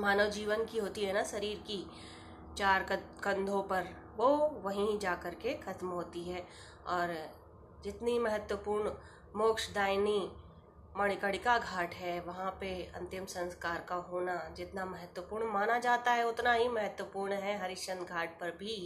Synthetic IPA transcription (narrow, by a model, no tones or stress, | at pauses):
maːnəʋd͡ʒiːʋənkiɦoːt̪iɦɛnaʃɐɾiːɾki | t͡ʃaːɾ | kɐ̃nd̪ʱõpɐɾ | ʋoʋɐɦĩd͡ʒaːkɐɾkexɐt̪mɦoːt̪iɦɛː | ɔːɾ | d͡ʒɪt̪nimɐɦət̪wəpuːɾɳ | moːkʃd̪aːɪni | mɐɽ̃ɪkəɽɪkaɡʱaːʈɦɛʋɐɦãpeɐ̰̃nt̪ɪmsɐ̃nskaːɾkaɦoːnad͡ʒɪt̪namɐɦət̪wəpuːɾɳmaːnad͡ʒaːt̪aɦɛʊt̪naɦimɐɦət̪wəpuːɾɳɦɛɦɐɾɪʃə̃nd̪ɡʱaːʈ̚pɐɾbʱi